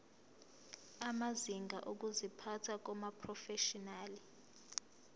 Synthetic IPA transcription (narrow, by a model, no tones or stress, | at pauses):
amaziŋɡa̰ʔok̬uzipʰatʰak̬ɔmapʰrɔfɛʃɔnaːli